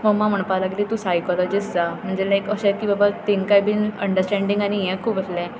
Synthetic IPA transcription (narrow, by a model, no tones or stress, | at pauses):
mɔmãməɳ̃palaɡlit̪ũsajkɔlɔd͡ʑisd͡zam̤əɳd͡zelajkəɕãkiːbəbat̪enkajbʱinə̰ɳɖəɾsʈɛ̃ɳɖĩŋɡanijɛ̃kʰuːpəslɛ̃